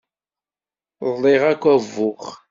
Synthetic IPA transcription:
ðˤlɪʁækʷːævːʊχ

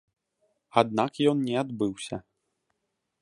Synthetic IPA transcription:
ad̪̚nakjɔnnʲɛad̪bɨwsʲɐ

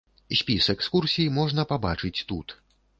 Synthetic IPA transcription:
sʲpʲisɛkskursʲijimɔʐnɐpabat͡ʂɨt͡sʲt̪ut̪

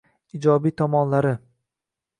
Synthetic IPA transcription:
ɪd͡ʒɒbijt̪ʰɒmɒnlaɾɪ

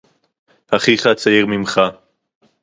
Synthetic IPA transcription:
haχiχat͡sajiʁmimχa

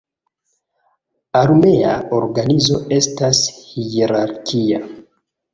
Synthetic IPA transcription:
aɾme̞a̰o̞ɾɡanizo̞e̞stashieɾaɾkʰia

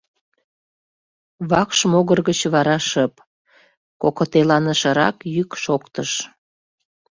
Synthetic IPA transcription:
βɑkʃmoɣərɣət͡ɕβɑɾɑʃəp | kokot̪elɑnəʃəɾɑ̰kjykʃokt̪əʃ

